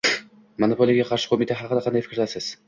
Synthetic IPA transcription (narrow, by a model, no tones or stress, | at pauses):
monopʰolʲˠijɡʲaqʰɑɾʃɪ̥qʰomit̪ʰaɦaqɨd̪aqʰɑnd̪ajfɪkʲɾlasɪz̥